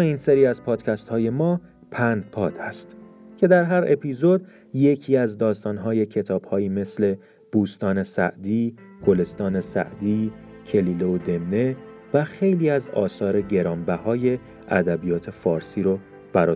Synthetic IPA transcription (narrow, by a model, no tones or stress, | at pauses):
iːnseɾiːæzpʰɒːd̪̥cʰæst̪hɒːje̞mɒː | pʰænd̪̚pʰɒːt̪ʰhæst̪cʰe̞d̪æɾɦæɾe̞pʰizo̞d̪̚ | je̞cʰiːæzd̪ɒːst̪ɒːnɦɒːje̞cʰe̞t̪ʰɒːb̥hɒːiːme̞sle̞ | b̥uːst̪ɒːne̞sæ̰ʔd̪iː | ɡ̥o̞le̞st̪ɒːne̞sæ̰ʔd̪iː | cʰe̞liːleod̪e̞mːe | væxe̞jliːæzɒ̰ːsɒːɾe̞ɟe̞ɾɒːmbæhɒːje̞ | æ̰d̪æbijɒːt̪ʰe̞fɒːɾsiːɾo | b̥æɾɒː